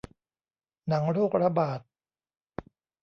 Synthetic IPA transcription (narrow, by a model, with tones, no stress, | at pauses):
na˩˦ŋɾoː˥˩k̚ɾa˧baː˨˩t̪̚